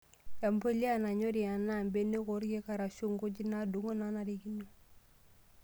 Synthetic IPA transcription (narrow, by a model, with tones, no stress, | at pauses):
ja˨mpo˦li˦ana˨ɲo˦ɾi˨ja˨nambe˦nːe˦ko˨ɾɡe˦ka˨ɾa˨ʃu˦ŋɡu˦ɟi˦na˦du˨ŋo˦nana˨ɾiɡi˦no˨